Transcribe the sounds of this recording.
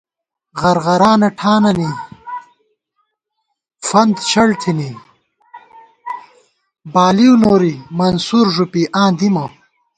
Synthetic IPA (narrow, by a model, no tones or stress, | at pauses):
ʁɐɾʁɐɾaːnɐʈʰaːnɐni | fɐnd̪t͡ɕɐɽt̪ʰini | baːliwnoːɾimɐnsuɾʐupiʔãːd̪imɐw